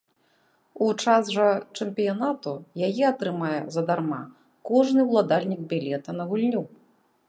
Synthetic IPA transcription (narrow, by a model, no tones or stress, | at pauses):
ut͡ʂasʐɐt͡ʂɛmpʲijanat̪ujajɛat̪ɾɨmajɛzɐd̪arma̰ | kɔʐnɨwlˠad̪alʲnʲiɡ̚bʲilʲɛt̪ɐnɐɣulʲnʲu